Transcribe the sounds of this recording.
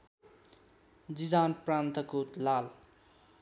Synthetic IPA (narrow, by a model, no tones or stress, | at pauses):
d͡zid͡zaːnpɾaːnt̪ʰʌkut̪laːl